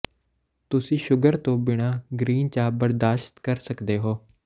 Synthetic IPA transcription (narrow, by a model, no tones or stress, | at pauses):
t̪ʊsĩːʃʊɡəɾt̪õːbɪɽ̃aːɡɾiːnt͡ʃaːbəɾd̪aːʃt̪kəɾsəkd̪eːɦoː